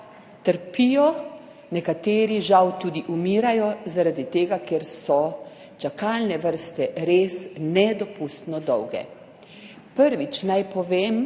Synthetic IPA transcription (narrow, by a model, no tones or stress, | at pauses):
t̪əɾpiːjɔ | nɛkat̪eːɾiʒawt̪uːd̪iʔumiːɾajɔzaɾad̪it̪eːɡakeɾsɔ | t͡ʃakalnɛʋəɾst̪ɛɾeːsnɛd̪ɔpust̪nɔd̪ɔwɡɛ̰ | pəɾʋit͡ʃnajpɔʋeːm